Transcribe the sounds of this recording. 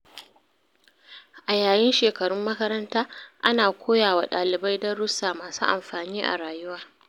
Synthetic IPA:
ʔa˨jaː˨jɪ˦nʃeː˨kɐ˨ɽʊ˦mːɐ˦kɐ˦ɾɐ˦ntaː˦ʔa˦naː˨kʷoː˦jaː˨waː˨ɗaː˨lɪ˨ba˦jdɐ˦ɽʊ˦sːaː˨maː˨sṵː˦ʔa̰˨mɸaː˨niː˦ʔa̰˨ɽaː˨jʊ˦waː˦

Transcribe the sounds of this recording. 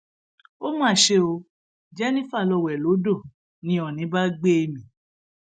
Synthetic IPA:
o˦mãː˦˨ʃe˧o˧ | d͡ʒɛ˦nĩ˦fa˦˨lɔ˧˨wɛ˨lo˨˦do˦˨ | nĩ˨˦ɔ˨nĩ˨˦ba˦ɡ͡be˦e˧˨mĩ˨

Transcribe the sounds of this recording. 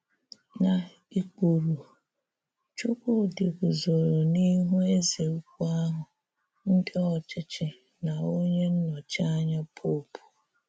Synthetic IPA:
na˨ | i˨ku˨ɾu˨ | t͡ʃʊ˦kʷo˦˨dɪ˨ɡʊ˨zo˨ɾo˨ni˦ɦu˦e˦ze˨u˦kʷu˦a˦ɦʊ˨ | n̩˦dɪ˦ɔ˨t͡ʃɪ˦t͡ʃɪ˨ | na˨o˦ɲe˦n̩˦nɔ˨t͡ʃa˦ɲa˦pʰo˦˨pu̥˨

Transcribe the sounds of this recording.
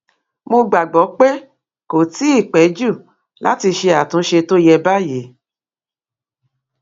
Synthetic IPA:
mo˧ɡ͡ba˨ɡ͡bɔ˨˦k͡pe˦ | ko˨ti˨˦i˦˨k͡pɛ˨˦d͡ʒu˦˨ | la̰˨˦ti˧ʃe˧a˨tũ˨˦ʃe˧to˦jɛ˧ba˦je˨˦

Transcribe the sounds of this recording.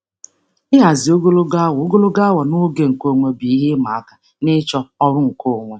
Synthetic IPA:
ɪ˦ɦa˨zɪ˨o˦ɡo˦lo˦ɡa˦wo˦ɡo˦lo˦ɡa˦wɔ˨nʊ˦ɡe˨ŋ̩˨ko˦˨ŋʷe˦bi˨i˦ɦe˦ma˨a˦ka˨ | nɪ˦t͡ʃɔ˦ɔ˦ɾʊ˦ŋ̩˨ko˦˨ŋʷe˦

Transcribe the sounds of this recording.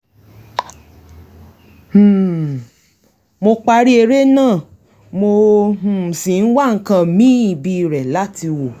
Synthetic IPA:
mo˧k͡pa˧˦ɾi˦e˧ɾe˦nãː˦˨ | mo˧ũ˨sĩ˨n̩˦wa˦˨ŋ̩˨kã˧˨mĩ˦i˨bi˧ɾɛ˨la˨˦ti˧wo˨

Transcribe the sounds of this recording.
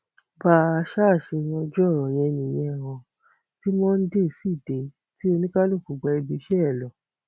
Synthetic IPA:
baː˦˨a˧ʃa˦˨ʃe˧j̃ɔ̃˧d͡ʒɔ˦˨ɾɔ̃˨j̃ɛ̃˧nĩ˨j̃ɛ̃˧˨w̃ɔ̃˧ | ti˦mɔ̃˦n̩˦de˦˨˦si˦˨de˨˦ | ti˦o˧nĩ˦ka˦lo˦˨ku˨ɡ͡ba˧i˧bi˧ʃɛ˦ɛ˦˨lɔ˨

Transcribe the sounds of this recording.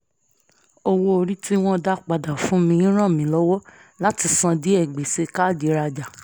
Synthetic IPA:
o˧wo˧o˧ɾi˦tʰi˦w̃ɔ̃˦da˦k͡pa˨da˨fũ˨˦mĩ˧ĩ˦ɾ̃ã˦˨mĩ˨˦lɔ˦wɔ˦la˦ti˧sã˧di˨˦ɛ˨ɡ͡be˨se˧ka˦˨di˨˧˦ɾa˧d͡ʒa˨

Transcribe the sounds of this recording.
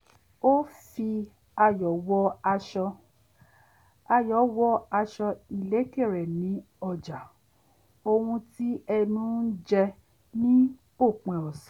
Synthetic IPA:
o˦fi˧ | a˧jɔ˨˦wɔ˧a˧ʃɔ˧ | a˧jɔ˨˦wɔ˧a˧ʃɔ˧i˨le˨˦ke˦˨ɾɛ˨nĩ˨˦ | ɔ˧˨d͡ʒa˨ | o˧hũ˧ti˦ɛ˧nũ˦n̩˦d͡ʒɛ˧ | nĩ˦ | o˦˨k͡pɛ̃˨ɔ˨sɔ̃˨˦

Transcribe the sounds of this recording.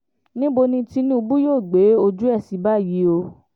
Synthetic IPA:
nĩ˦bo˧nĩ˧ti˧nĩ˦u˧bu˦joː˦˨ɡ͡be˨˦o˧d͡ʒu˦ɛ˦˨si˨˦ba˦˨ji˨˦o˧

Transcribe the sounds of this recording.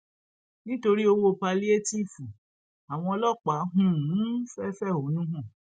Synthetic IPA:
nĩ˦to˧ɾi˦o˧wo˦˨pa˧li˦e˦ti˦˨fu˨ | a˨w̃ɔ̃˧ɔ˧lɔ˦˨k͡pa˨˦ɦũ˦˨˦fɛ˦fɛ˦˨o˨˦nũ˦ɦɔ̃˦˨

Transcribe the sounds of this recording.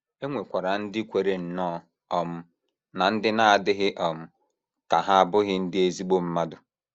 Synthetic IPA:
e˦ŋʷe˨kʷa˨ɾa˨n̩˦dɪ˦kʷe˨ɾe˨n̩˨nɔː˦ | ɔ˨m̩˦ | na˨n̩˦dɪ˦na˦a˨dɪ˦ɦɪ˦ʔɔ˨m̩˨ | ka˨ɦa˦a˦˨bʊ˦ɣɪ˦n̩˦dɪ˦e˦zi˦k͡po˦m̩˦ma˦dʊ˨

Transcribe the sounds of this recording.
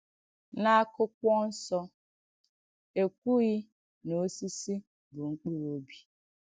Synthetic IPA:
na˦a˦kʊ˦k̚ʷɔ˦n̩˦sɔ˦ | e˨kʷu˦ɣɪ˦ | no˨˦si˦si˦ | bʊ˨ŋ͡m̩˦k͡pu˦ɾo˦bi˦

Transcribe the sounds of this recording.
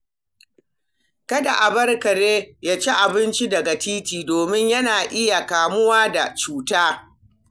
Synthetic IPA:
kɐ˦da˨ʔa˨bɐ˦rkɐ˨ɾeː˦jaː˦t͡ʃe˦ʔa˨bɪ˦nt͡ʃi˦dɐ˨ɡa˨tiː˦tiː˨doː˨mɪ˦ɲjɐ˦naː˨ʔɪ˦ja˨kaː˨mʊ˦waː˦da˨t͡ʃuː˦taː˦

